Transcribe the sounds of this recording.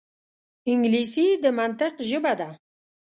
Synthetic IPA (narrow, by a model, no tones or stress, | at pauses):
iŋɡlisid̪əmant̪əqʒɪbad̪a